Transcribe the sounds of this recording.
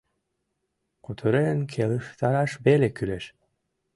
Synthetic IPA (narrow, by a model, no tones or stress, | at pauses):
qut̪ʰuɾenkʰeliʃt̪ʰɑɾɑʃbelʲekyleʃ